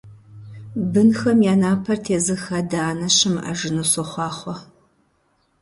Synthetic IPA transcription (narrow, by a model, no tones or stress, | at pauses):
bɨnxɐmjaːnaːpʰɐrtʰeːzɨxɐdaːnɐɕɪmʔa̰ʒɪnɨsɔχʷɑːχʷɔ